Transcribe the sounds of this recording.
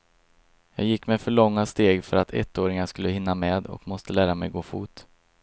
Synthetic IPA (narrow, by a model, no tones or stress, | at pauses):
jɑːɡjɪkːmɛfœɭɔŋːast̪eːɡfœɾat̪ʰɛ̰t̪ːoːɾɪŋanʂkɵlːəhɪnːamɛːd̪ɔ̰kmɔst̪əlæːɾamɛjɡoːfuːt̪